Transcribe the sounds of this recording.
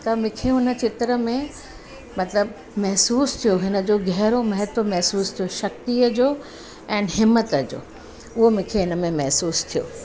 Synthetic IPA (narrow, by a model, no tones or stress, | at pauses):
t̪ɐmɪ̃kʰeɦʊnə̆t͡ɕɪt̪ɾə̆mẽ | mɐt̪ləb | mɐɦsuːst̪ʰijoɦɪnə̆d͡ʑoɡɛɦɾomɐɦɪt̪ʋəmɛɦsuːst̪ʰijoʃɐk̚t̪iəd͡ʑoː | ɛ̃ːnɦɪmːət̪əd͡ʑo̰ː | ʊɦomʊ̃ːkʰeɦɪnə̆mẽmɛɦsuːst̪ʰijo̰ː